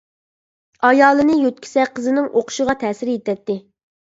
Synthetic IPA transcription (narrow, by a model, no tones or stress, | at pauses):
ɑjɑːlˠɨnɨjøt̪̚kʲʰi̥sɛqʰəzɨnɪŋʔoqʰʊ̥ʃəʁɑt̪ʰɛːsɪɾjet̪ɛt̪ːɪ